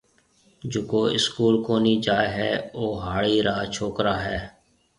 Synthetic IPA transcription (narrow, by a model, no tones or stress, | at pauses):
d͡ʒʊkoːɪskuːlkoːniːd͡ʒaːeɦɛːoːɦaːɭiːɾaːt͡ʃʰoːkɾaːɦɛː